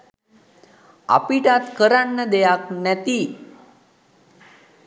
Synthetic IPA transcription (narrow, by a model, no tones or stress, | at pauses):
a̰piʈat̪kəɾaɳːəd̪ejaknɛt̪i